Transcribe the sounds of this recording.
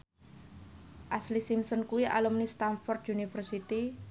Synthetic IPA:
ʔaslisimsɔnkuwiʔa̰lumnist̪anfɔrd̪unifərsit̪i

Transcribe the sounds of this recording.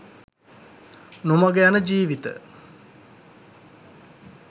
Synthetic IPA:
nomaɡejanəd͡ʒiːʋit̪ə̰

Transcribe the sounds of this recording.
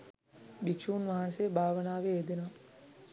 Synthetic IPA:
bikʃuːnʋaɦansebʱaːʋənaːʋeːd̪ena

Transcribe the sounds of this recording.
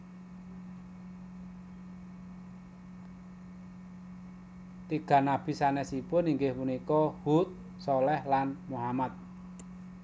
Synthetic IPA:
t̪iɡ̥ä̤nab̥i̤sanɛsipʊniŋɡɪhpunikɔhut̪̚ | sɔlɛhlanmuɦamat̪̚

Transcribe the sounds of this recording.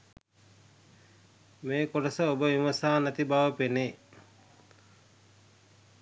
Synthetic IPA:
meːkoɖəsəobəiməsaːnæt̪ibaʋəpene

